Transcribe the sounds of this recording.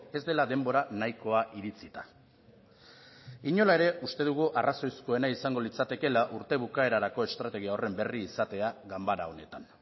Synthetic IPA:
e̞zd̪e̞laðe̞mbo̞ɾanajko̞aʔiɾit͡sit̪a | iɲo̞lae̞ɾe̞ʔust̪e̞ðuɣuʔarʔaso̞jsko̞e̞naisaŋɡo̞lit͡sat̪e̞ke̞laʔuɾt̪e̞βukae̞ɾaɾako̞e̞st̪ɾat̪e̞ɣ̞iao̞re̞mbe̞riːsat̪e̞aɣambaɾao̞ne̞t̪an

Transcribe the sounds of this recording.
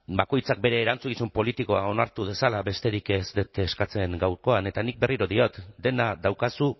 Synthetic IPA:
bako̞jt͡sak̚be̞ɾe̞ːɾant͡suɣisumpo̞lit̪iko̞ao̞naɾt̪uð̞e̞salaβe̞st̪e̞ɾikezd̪et̪eskat͡se̞ŋɡawɾko̞ane̞t̪anik̚be̞riɾo̞ðio̞t̪d̪e̞nadawkasu

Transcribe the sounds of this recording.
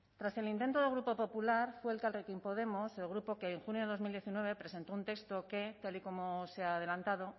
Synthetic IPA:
t̪ɾase̞lint̪e̞nt̪oðeɣɾupo̞po̞pulaɾfweːlkalrekimpo̞ðe̞mo̞selɣ̞ɾupo̞keːŋxunjo̞ðe̞ðomild̪je̞θinwe̞β̞e̞pɾe̞se̞nt̪o̞unt̪e̞kst̪o̞ke̞t̪aliko̞moseaːð̞elant̪aðo̞

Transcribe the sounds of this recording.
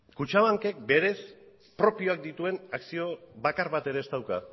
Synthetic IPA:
kut͡ʃaβaŋke̞k̚be̞ɾe̞s | pɾo̞pio̞ak̚d̪it̪ue̞naksio̞βakaɾβat̪e̞ɾe̞ːst̪awka

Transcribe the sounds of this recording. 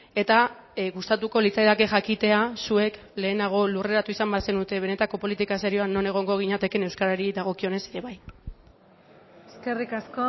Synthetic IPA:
e̞t̪aɣust̪at̪uko̞lit͡sajðake̞xakit̪e̞asue̞k | le̞ːnaɣ̞o̞lure̞ɾat̪uisambase̞nut̪e̞β̞e̞ne̞t̪ako̞po̞lit̪ikasaɾioano̞ne̞ɣ̞o̞ŋɡo̞ɣ̞iɲat̪e̞ke̞ne̞wskaɾaɾiðaɣ̞o̞kio̞ne̞seɾe̞βaj | eskerikasko

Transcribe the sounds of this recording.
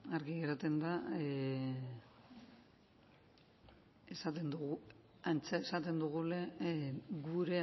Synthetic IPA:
aɾɣiɣeɾat̪e̞nd̪a | esat̪e̞nd̪uɣu | ant͡sae̞sat̪e̞nd̪uɣ̞ule̞ | ɡuɾe̞

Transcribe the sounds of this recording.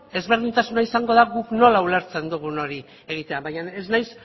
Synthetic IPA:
e̞zβe̞ɾð̞int̪asunaisaŋɡo̞ðaɣukno̞laule̞ɾt͡se̞nd̪uɣ̞uno̞ɾi | e̞ɣ̞it̪e̞aβajɲaneznajs

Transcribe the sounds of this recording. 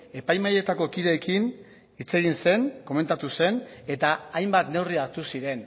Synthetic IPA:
e̞pajmaje̞t̪ako̞kiðe̞ːkin | it͡se̞ɣ̞inse̞ŋko̞me̞nt̪at̪use̞ne̞t̪aːjmbat̪ne̞wriaɾt̪usiɾe̞n

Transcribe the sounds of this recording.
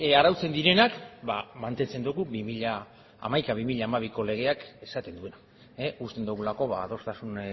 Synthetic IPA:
aɾawt͡se̞nd̪iɾe̞nakbamant̪e̞nt͡se̞nd̪uɣuβimiʎa̰ː | majkaβimiʎaːmaβ̞iko̞le̞ɣ̞e̞ake̞sat̪e̞nd̪ue̞na | eust̪e̞nd̪uɣulako̞βaːðo̞st̪asun

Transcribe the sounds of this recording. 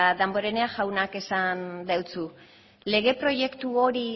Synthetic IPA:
aðambo̞ɾe̞ne̞aʝawnake̞sand̪awt͡su | le̞ɣ̞e̞pɾo̞ʝe̞kt̪uo̞ɾi

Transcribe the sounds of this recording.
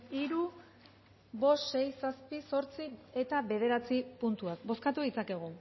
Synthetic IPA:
iɾu | βo̞sʃe̞jsaspiso̞ɾt͡sie̞t̪aβe̞ð̞e̞ɾat͡sipunt̪uak̚bo̞skat̪uðit͡sake̞ɣ̞u

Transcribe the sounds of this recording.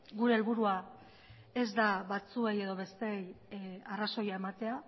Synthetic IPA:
ɡuɾe̞ːlβuɾua | e̞zd̪aβat͡sue̞je̞ðo̞βe̞st̪ejaraso̞jae̞mat̪e̞a

